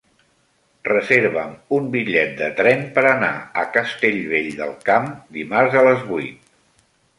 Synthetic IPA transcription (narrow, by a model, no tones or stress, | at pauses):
rəzeɾβəmumbiʎɛt̪̚d̪ət̪ɾɛmpəɾəna̰əkəst̪eʎβeʎd̪ə̰lˠkamd̪imaɾzələzβujt̪̚